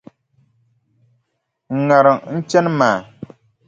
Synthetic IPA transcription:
ŋ̩˨ŋa˨ɾɨ˨ŋn̩˦t͡ʃɛ˦nɨ˦maː˨

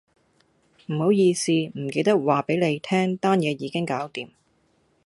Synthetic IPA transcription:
m̩˨˩ho˨˧˥wjiː˧siː˨˧m̩˨˩ke˧jt̪ɐ˥k̚waː˨pe˨˥jne˨˧jt̪ʰɛː˥ŋt̪aː˥njɛː˨˧jiː˨˧kɪ˥ŋkaː˨˥wt̪iː˨m

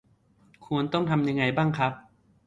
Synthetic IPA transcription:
kʰu˧ənt̪ɔ˥˩ŋt̪ʰa˧mja˧ŋːa˧jbaː˥˩ŋkʰɾa˦˥p̚

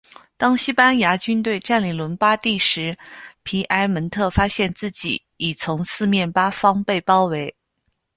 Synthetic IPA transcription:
t̪ɑ˥ŋɕi˥pa˥nja˧˥t͡ɕy˥nt̪̬we˥˧ɪʈ͡ʂa˥˩nli˨˩lwə˧˥npa˥t̪i˥˩ʂɻ̩˧˥pʰi˧˥ʔa˧˥ɪmə˧˥nt̪ʰɤ˥˩fa˥ɕjɛ˥˧nt͡sɹ̩˥˩t͡ɕḭ˨˩˦ | i˨˩t͡sʰʊ˧˥ŋsɹ̩˥˧mjɛ˥˩npa˥fɑ˥ŋpe˥˩ɪpɑ˥ʊwe˧˥ɪ

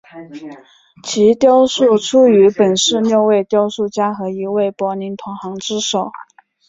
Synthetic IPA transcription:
t͡ɕʰi˧˥t̪jɑ˥ʊʂu˥˩ʈ͡ʂʰu˥y˧˥pə˨˩nʂɻ̩˥˧njo˥˧ʊwe˥˧ɪt̪jɑ˥ʊʂu˥˩t͡ɕja˥xɤ˧˥i˧˥we˥˩ɪpwɔ˧˥ni˧˥nt̪ʰʊ˧˥ŋxɑ˧˥ŋʈ͡ʂɻ̩˥ʂo˨˩˦ʊ

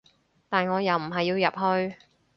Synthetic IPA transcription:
t̪aː˨nŋɔː˨˧jɐ˨˩wm̩˨˩ɦɐ˨jːiː˧wjɐ˨p̚hɵ˧ɥ

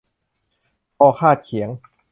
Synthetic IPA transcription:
pɔː˧˩kʰaː˥˩t̪̚kʰi˩˦əŋ

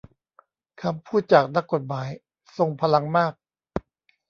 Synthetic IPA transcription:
kʰa˧mpʰuː˥˩t̪̚t͡ɕaː˨˩k̚na˦˥kːo˨˩t̪̚maː˩˦j | so˧ŋpʰa˧la˧ŋmaː˥˩k̚

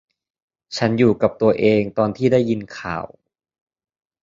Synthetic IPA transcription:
t͡ɕʰa˦˥njuː˨˩ka˨˩p̚t̪u˧ɐʔeː˧ŋt̪ɔː˧nt̪ʰiː˥˩da˥˩jːi˧nkʰa̰ː˨˩w

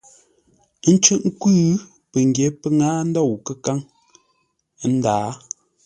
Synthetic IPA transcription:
n̩˦t͡ʃʉ˦ʔŋ̩˦kʉː˦ | pə˨ŋ˨ɡje˨˦pə˦ŋaː˦n̩˦dɔ˦˨wkə˦ka˦ŋ˦ | n̩˦daː˨˦

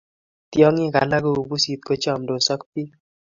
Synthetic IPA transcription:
tjɔ˦ŋɪ˦ka̰˨na˦ɡo˦u˨bu˦si˨t̪̚ko˦t͡ʃɔ˦˨mdo˨sɔ˦k̚pi˦

